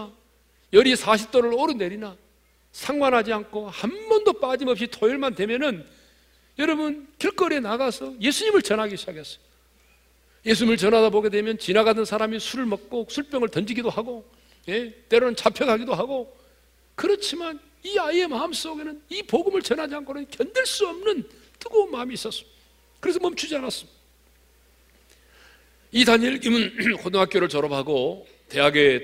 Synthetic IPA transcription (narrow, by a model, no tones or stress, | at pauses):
jʌɾisʰaɕʰip̚t͈oɾɯɭoɾɯne̞ɾina | sʰaŋwanɦad͡ʑiankʰohanbʌndop͈ad͡ʑimʌpɕ͈itʰoiɭmandwe̞mjʌnɯn | jʌɾʌbɯnkiɭk͈ʌɾenaɡasʰʌje̞sʰuɲimɯɭt͡ɕʌnɦaɡiɕʰid͡ʑakʰes͈ʌ̥jo | je̞s̬ʰuɲimɯɭt͡ɕʌnadaboɡe̞dwe̞mjʌnt͡ɕinaɡadʌnsʰaɾamisʰuɾɯɭmʌk̚k͈osʰuɭp͈jʌŋɯɭtʌnd͡ʑiɡidohaɡo | je̞t͈e̞ɾonɯnt͡ɕapʰjʌɡʰaɡidoɦaɡo | kɯɾʌt͡ɕʰiman | iaie̞maɯms͈oɡe̞nɯnipoɡɯmɯɭt͡ɕʌnɦad͡ʑianɡʌɾɯnkjʌndɯɭs͈uʌmnɯn | t͈ɯɡonmaːmiːs͈ʌs͈ɯm | kɯɾe̞sʰʌmʌmt͡ɕʰud͡ʑianas͈ɯmid | itaɲeɭɡimɯnkʰodoŋɦak͈joɾɯɭt͡ɕʌɾʌpʰaɡo | te̞ɦaɡe̞